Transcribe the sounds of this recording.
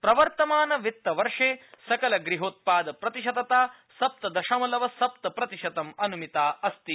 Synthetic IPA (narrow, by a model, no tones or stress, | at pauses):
pɾɐʋɐɾt̪ɐmaːnɐʋit̪ːɐʋɐɾʂeːsɐkɐlɐɡɾiɦoːt̪̚paːd̪ɐpɾɐt̪iʃɐd̪ɐt̪aː | sɐp̚t̪ɐd̪ɐʃɐmɐlɐʋɐsɐp̚t̪ɐpɾɐt̪iʃɐt̪ɐmɐnumit̪aːɐst̪i